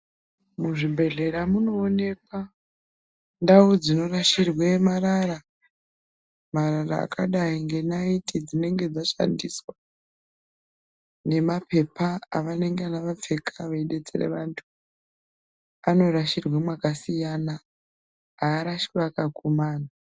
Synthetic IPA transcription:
muʐibʱe̞ɮe̞ɾamuno̞ːne̞k̚wa | ndaud͡zino̞raʃirwemaɾara | marara̰ːkʰaɗaiŋɡe̞naitʰid͡zine̞ŋɡe̞d͡zaʃa̰ndiswa | ne̞mapʰe̞pʰaːʋane̞ŋɡeanaʋap͡fe̞kʰaʋaiɗe̞t͡sḛrḛʋantʰu̥ | ano̞raʃirwemwakasijana | aːɾaʃiraːkakomaːna

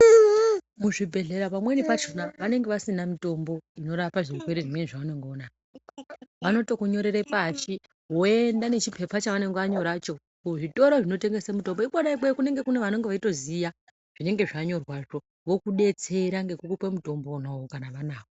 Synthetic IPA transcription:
muʐibʱe̞ɮe̞ɾapamwenipat͡ʃonaʋane̞ŋɡe̞ʋasinamito̞mbo̞ino̞ɾapaʐirukwe̞ɾeʐimweniʐaʋane̞ŋɡoːna | ʋano̞to̞kuɲo̞ɾe̞ɾe̞pat͡ʃi | ɦo̞endane̞t͡ʃipʰe̞pat͡ʃaʋane̞ŋɡeaɲo̞ɾat͡ʃo̞ | kuʐito̞ɾoʐino̞te̞ŋɡe̞semuto̞mboikaɗaikwekune̞ŋɡe̞kune̞ʋano̞ŋɡeʋaito̞zija | ʐ̥ine̞ŋɡe̞ʐaɲo̞rwaʐo̞ | ʋo̞kuɗe̞t͡se̞ɾaŋɡe̞kukupwemuto̞mbonawokanaʋanaːko

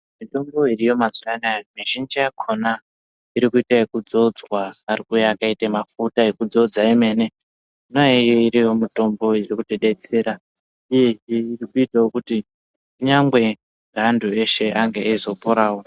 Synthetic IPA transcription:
mito̞mbo̞irijo̞mazianajomiʒind͡ʒijakʰo̞na | iɾikuitaekud͡zo̞d͡zwaːrikujaakaitemafutaekud͡zo̞d͡zaeme̞ːne̞ | nojejeiɾijo̞mito̞mbo̞irikutiɗe̞t͡se̞ːɾa | ije̞eirikuitawokuti | uɲaŋɡwe̞ | ŋɡʱandʱue̞ʃe̞ʔaŋɡeaizo̞poɾaːwo

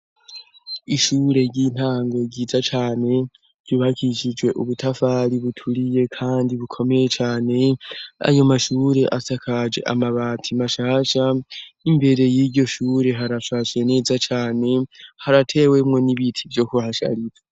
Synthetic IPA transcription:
iʃuːɾe̞ɾɟin̥haːŋɡo̞ɡiːzat͡ʃaːne̞ | ɾɟ̥uβakʰiʃid͡ʒɡwe̞ʔuβutʰafaɾiβutʰuɾije̞kʰaːndiβukʰo̞me̞jet͡ʃaːne̞a̰jomaʃuːɾe̞ʔasakʰad͡ʒe̞̰ʔa̰maβaːtʰimaʃaːʃaimbe̞ɾe̞jiɾɟo̞ʃuːɾe̞ɦaɾaʃaːʃene̞ːzat͡ʃaːne̞haɾatʰe̞ːwe̞mŋo̞niβitʰivjo̞kuhaʃa̰ɾiɾa

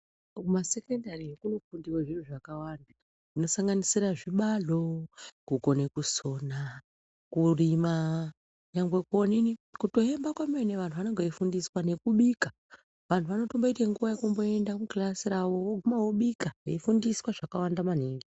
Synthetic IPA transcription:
masekendariekunofundiweʐin̤uʐakawanda | ino̞saŋɡanisiɾaʐiɓaɮo̞kuko̞ne̞kuso̞ːna | kurima | uɲaŋɡwe̞koninikuto̞e̞mbakwameneʋantʰuʋanoŋɡoifundiswane̞kuɓika | ʋantʰuʋano̞tomboiteŋɡuʋajekumbo̞e̞ndamuklasiɾawo̞woɡʱumawoɓikaifundiswaʐakawandamaneːŋɡi

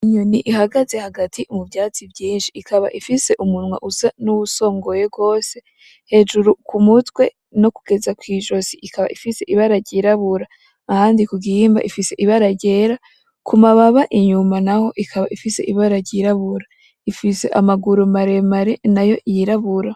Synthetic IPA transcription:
iɲoniʔiɦaɡaze̞haɡatʰiʔumuvjaːt͡sibɟiːnʃiːkʰaβa̰ʔifise̞ʔumunmwa̰ʔuzanuβuso̞ːŋɡo̞jeb̚ɡo̞ːse̞ | he̞ʒuɾukumutwe̞ | no̞kuɡ̥e̞zakwiːʒo̞z̥iʔikaβa̰ʔifise̞ʔiβaɾaɾɟiɾaβuɾaː | haːndikuɡiiːmba̰ʔifise̞ʔiβaɾaɾɟe̞ɾa | kʰumaβaβaʔiɲumanaho̞ʔikʰaβaʔifise̞ʔiβaɾaɾɟiɾaβuɾa | ifise̞̰ʔamaɡuɾumaɾe̞maɾenajo̞jiɾaβuɾa

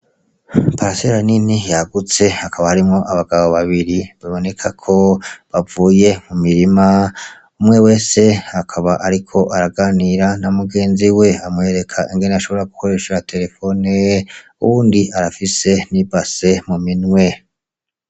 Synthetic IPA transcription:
paɾaseɾaninijaɡut͡se̞akaβahaɾimŋo̞ʔaβaɡaβoβaβiɾiβaβo̞ne̞kʰakʰo̞βavuːje̞mumiɾima | umŋe̞we̞ːse̞akʰaβaʔaɾikʰo̞ʔaɾaɡaniɾanamuɡe̞ːnziwe̞amŋe̞ːɾe̞kʰaʔiŋɡe̞neaʃo̞βo̞ɾaɡukʰo̞ɾe̞ːʃeɾatʰe̞ɾe̞fo̞ne | ṵβuːndiaɾafise̞nibase̞muminwe̞

